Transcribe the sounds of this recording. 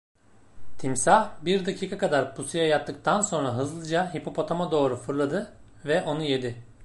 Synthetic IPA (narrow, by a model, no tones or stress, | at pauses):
t̪ʰimsahbiɾd̪acʰiːkʰakad̪aɾpusijajat̪ʰːɯk̚t̪ʰanso̞nɾaɦɯzlˠɯd͡ʒaɦipʰo̞pʰo̞t̪ʰomad̪o̞ːɾufɯɾlˠad̪ɯ | vɛʔo̞nuje̞d̪ɪ